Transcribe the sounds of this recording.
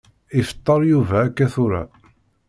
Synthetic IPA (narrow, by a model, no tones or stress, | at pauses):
ifə̥t̪ˤːəɾˤjuvæːkːæθʊɾa̰